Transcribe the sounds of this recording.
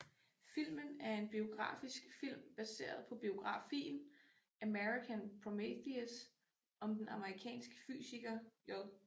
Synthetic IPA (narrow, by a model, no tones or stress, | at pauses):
fil̰mənæɐe̝nb̥io̝ɡ̥ʁɑ̰̈ːfisɡ̥fil̰mb̥æse̝̰ːɐð̞̩ˠpʰɒ̽b̥io̝ɡ̥ʁɑ̈fḭːn | ʔæmeʁikʰænpʰʁɔmeθies | ɒ̽md̥enɑ̈məʁikʰɛ̰ːnsɡ̥ə̥fy̰ːsiɡ̥ɐjɒð